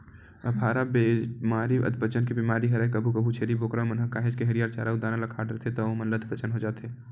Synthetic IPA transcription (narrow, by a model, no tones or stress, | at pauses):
əpʰaːɾabemaːɾiʋə̰d̪̚bət͡ʃənkibimaːɾiɦɐɾekəbʱukɐbʱut͡ʃʰeːɾiboːkɾamənɦəkaːɦed͡ʒkeɦɐɾijaːɾt͡ʃa̰ːɾaud̪aːnalɐkʰaːɖɾət̪ʰet̪oomənlət̪ʰbət͡ʃənɦod͡ʒaːt̪eː